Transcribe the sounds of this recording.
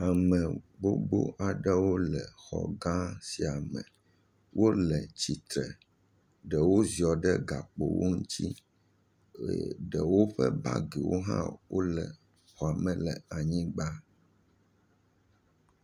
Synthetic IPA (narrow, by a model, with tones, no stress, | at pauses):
a˨mɛ̃˨bo˦bo̰˦ʔa˨ɖɛ˦wo˦lɛ˨xɔ̰˨ɡã˦si˨a˨mɛ̰̃˨ | wo˦lɛ˨t͡ɕi˨t̪ɾɛ˨ | ɖɛ˨wo˦zi˨ɔ˨ɖɛ˦ɡa˨k͡po̰˨wʔo˦ŋ̩˦t͡ɕi˦˨ | ɖɛ˨wo˦ɸɛ̰˦ba̰˦ɡe˨wo˦ɦã̰˦wʔo˦lɛ˨ | xɔ˨a˨mɛ̃˨lɛ˨a˨ɲĩ˦ɡ͡ba˦